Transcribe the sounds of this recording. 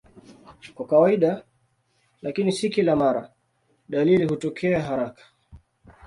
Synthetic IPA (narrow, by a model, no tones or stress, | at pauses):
kwakawaiɗa | lakinisikilamaɾa | ɗalilihutɔkʰɛaɦaɾakḁ